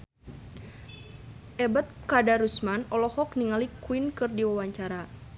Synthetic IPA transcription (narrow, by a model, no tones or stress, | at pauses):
ʔɛbət̪̚kadaɾusmanɔlɔhɔkniŋalikuinkɨrdiwawaɲt͡ʃaɾa